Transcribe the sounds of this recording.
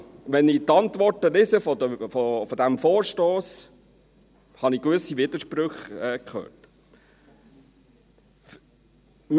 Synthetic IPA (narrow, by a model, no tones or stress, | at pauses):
ʋɛnɪt̪ɑnt̪ʋɔrtəlɪsəfɔdəfɔfɔd̪æmfoːɾʃtoːs | hɑnikʋøsiʋɪd̪əʃpɾøχɛːkχø̰ːrt | f | m